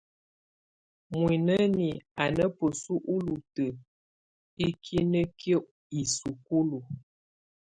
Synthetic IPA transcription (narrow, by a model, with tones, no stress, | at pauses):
mwi˨nə˦ni˨a˨nə˦pə˨su˦ʔu˦lu˨tə˨ | i˦kʰi˦nə˦kjə˦ʔ | i˨su˨ku˦lu˨